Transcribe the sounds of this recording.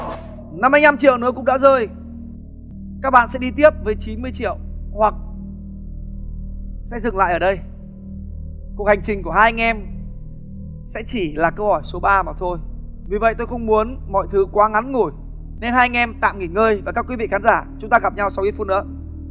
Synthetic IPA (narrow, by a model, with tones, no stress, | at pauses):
na˧mːaː˧jna˧mt͡ɕḭ˧˨əwnɨ̰˧˥əkʊ̰˧˥ŋ͡m̚ɗa̰ː˧˥zəː˧j | kaː˦˥k̚ɓa̰ː˧˨nsɛ̰˧˥ɗi˧t̪̬i˦˥əp̚vəː˨˦jt͡ɕi˨˦nmɨ˧əjt͡ɕḭ˧˨əwhwa˨˩k̚ | sɛ̰˧˥zɨ˨˩ŋla̰ː˧˨jʔəː˧˩ɗə˧j | kwək̚ha˨˩jŋ̟t͡ɕï˨˩ŋ̟ku˧˩haː˧jŋɛ˧m | sɛ̰˧˥t͡ɕi˧˩laː˨˩kə˧whɔ˧˩jso˨˦ɓaː˧maː˨˩t̪ʰo˧j | vi˨˩və̰˧˨jt̪o˧jxə˧wŋ͡mmu˨˦ənmɔ̰˧˨jt̪ʰɨ˨˦kwaː˨˦ŋa˨˦nŋu˧˩j | ne˧nhaː˧ŋʔɛ˧mt̪a̰ː˧˨mŋi˧˩ŋəː˧jvaː˨˩kaː˦˥kwi˨˦vḭ˧˨xaː˨˦nzaː˧˩t͡ɕʊ˨˦ŋ͡mt̪aː˧ɣa˨˩p̚ɲa˧wsa˧wʔi˧fu˧t̚nɨ̰˧˥ə